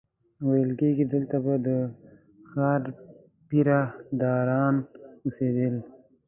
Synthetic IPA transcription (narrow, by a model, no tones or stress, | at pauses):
wajəlkeɡid̪əlt̪abad̪ə | xɑːɾ | piɾad̪ɑɾɑnused̪əl